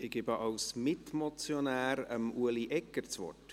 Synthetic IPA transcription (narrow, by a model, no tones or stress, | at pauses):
ɪɡ̥ɪbəʔɑwsmɪtmɔt͡sjonæːɾəmuəliʔɛkːəɾt͡sʋɔ̰t